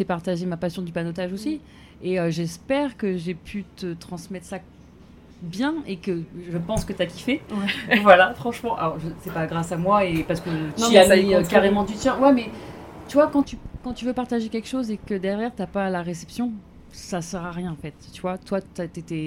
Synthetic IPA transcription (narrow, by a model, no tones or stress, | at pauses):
sɛpaʁt̪aʒemapasjɔ̃d̪ypanot̪aʒosi | eøʒɛspɛʁkəʒepʰyt̪ət̪χɑ̃smɛt̪χsa | bjɛ̃ekəʒəpɑ̃skət̪yakʲi̥fɛwvwalafχɑ̃ʃmɑ̃ʔaɔʁʒəsɛpaɡʁasamwaepaʁsə̥kətnɔ̃aaikaʁemɑ̃d̪yt̪jɛ̃wɛmɛt̪yvwakɑ̃t̪ykɑ̃t̪yvøpaʁt̪aʒekʲɛlkʃozekəd̪ɛʁjɛʁt̪yapalaʁesɛpsjɔ̃ | sasɛʁaʁjɛ̃ɑ̃fɛt̪ːyvwat̪wat̪yat̪et̪ɛ